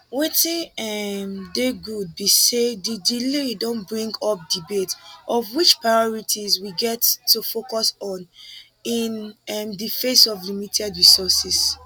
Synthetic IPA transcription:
wetĩɛmdeɡud̚bisedidiledõnbɹĩŋɡɔp̚dibetʔɔvwit͡ʃpɹaɔɹitʰizwiɡɛtːufokɔsɔ̃n | inɛmdifesɔvlimitʰɛdɹisɔsis

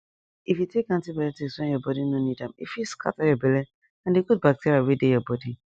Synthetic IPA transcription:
ifjutekãntibɛɛtikswɛ̃njɔbɔdinonidãmḭfjuskʰa̰tajɔbɛlɛ | ãndeɡut̚bak̚tʰeɹiawedejɔbɔdi

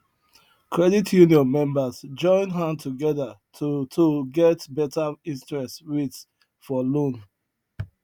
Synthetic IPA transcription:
kʰɹɛditʰjuniɔ̃nmɛ̃mbazd͡ʒɔ̃ɪ̃nɦãntʰuɡɛðattʰoɡɛtbɛtaĩntɹɛstɹit | fɔlõn

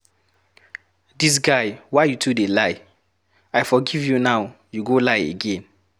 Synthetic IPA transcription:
dis̬ɡaɪwaɪjutʰudelaɪ | aɪfɔɡivjunaʊ | juɡolaɪḛɡẽn

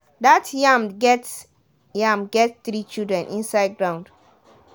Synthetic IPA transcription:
datjãmɡɛts | jãmɡɛtsθɾit͡ʃildɹɛ̃nʔĩnsaɪd̚ɡɹãʊ̃nd

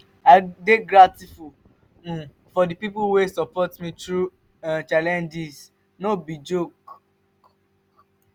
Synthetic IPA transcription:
adeɡɾatifu | ũ | fɔdipipuwesɔpɔtmĩtɾu | ãt͡ʃalɛ̃nd͡ʒis | nobid͡ʒok

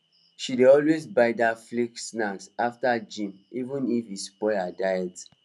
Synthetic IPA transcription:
ʃideɔlwezbaɪdafliksnaksaftad͡ʒĩm | ivũnifispɔadajɛt

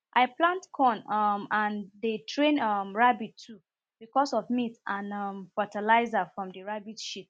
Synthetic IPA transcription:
ʔaɪplãntkʰɔ̃nʌmãndetʰɹẽnʌmɹabitʰːu | b̥ikɔsɔvmitʔãnʌmfɔtalaɪzafɹɔ̃mdəɹabitʃit

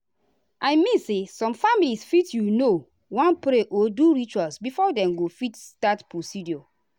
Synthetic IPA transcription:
ʔajmĩnsesɔ̃mfamilisfitjuno | wãnpɾeʔoduɹit͡ʃualsbifɔdɛ̃mɡofitstatpɹosidiɔ

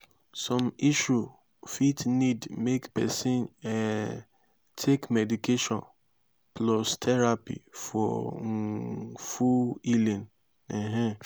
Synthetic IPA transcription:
sɔ̃miʃu | fitnidmekpɛsĩnɛ | tʰekmɛdikeʃɔ̃n | plɔstʰɛɹapḭfɔ̰ | fuilĩn | ɛɦɛ̃

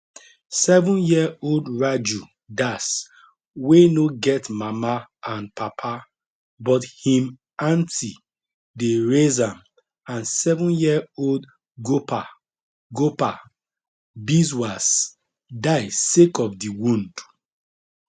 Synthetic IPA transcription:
sɛvɔ̃njioldɹad͡ʒu | das | wenoɡɛtmamaãnpapʰa | bɔthĩm | ãntʰi | deɹezãm | ãnsɛvɔ̃njiold | ɡopa | ɡopa | bizwas | daɪsekɔfdiwũnd̥

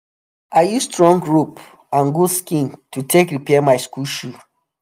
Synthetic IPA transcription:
aɪjusstɹɔ̃ŋɡɹup | ãnɡuskĩntutʰekɹipɛmaɪskulʃu

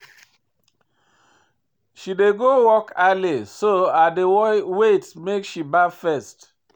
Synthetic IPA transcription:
ʃideɡowɔkalisoadewwetmekʃibafɛst

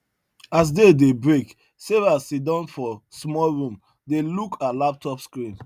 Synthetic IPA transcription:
as̬dedebɹek | sevasitdãnfɔsmɔlɹũm | delukʰalap̚tʰɔpskɹĩn

